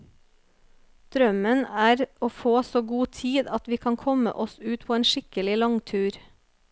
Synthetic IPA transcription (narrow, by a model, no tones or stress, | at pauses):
d̪̥ɾœmənæːɾoːfoːsoːɡuːt̪ʰiːd̪ɑt̪ʋiːkʰɑŋkʰɔmə̰ʔɔsʉːt̪pʰoːeːnʃɪkəlɪlɑŋt̪ʰʉːɾ